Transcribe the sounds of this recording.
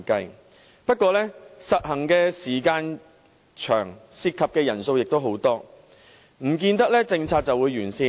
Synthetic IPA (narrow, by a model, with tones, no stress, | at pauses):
kɐ˧j | pɐ˥t̚kʷɔː˧lɛ˥sɐ˨t̚hɐ˨˩ŋkɛː˧siː˨˩kaː˧n | t͡ʃʰœː˨˩ŋsi˧˥t̚kʰːɐ˨p̚kɛː˧jɐ˨˩nso˧wjɪ˨k̚t̪o˥wɦo˨˥wt̪ɔː˥ | m̩˨˩k̬iː˧nt̪ɐ˥k̚lɛː˥t͡sɪ˧ŋt͡sʰaː˧t̚t͡sɐ˨wuː˨˧jɥyː˨˩nsiː˧